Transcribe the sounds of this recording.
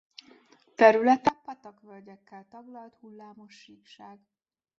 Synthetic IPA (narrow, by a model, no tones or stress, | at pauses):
t̪ɛɾylɛt̪ɛpɒt̪ɒkʋølɟɛkːɛlt̪ɒɡlɒlt̪hulːaːmo̞ʃːiːkʃaːɡ